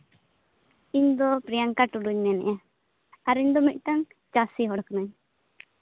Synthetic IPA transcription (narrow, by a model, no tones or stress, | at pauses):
iɲd̪ɔpɾijaŋkaʈuɖuɲmɛnɛ̰ʔja | aɾiɲd̪ɔmit̪̚ˀʈaŋ | t͡ʃasiɦɔɽknaɲ